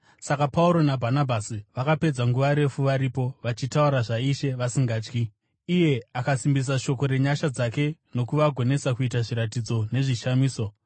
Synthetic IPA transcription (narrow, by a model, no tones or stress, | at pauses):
sakapauɾo̞nabʱanabʱasiʋakape̞d͡zaŋɡuʋaɾe̞fuʋaɾipo̞ʋat͡ʃitauɾaʐaiʃe̞ʋasiŋɡaːt͡ʃkiː | je̞akasimbis̬aʃo̞ko̞ɾe̞ɲaʃad͡zake̞no̞kuʋaɡʱo̞ne̞sakuitaʐiɾatid͡zo̞ne̞ʐiʃamiːso̞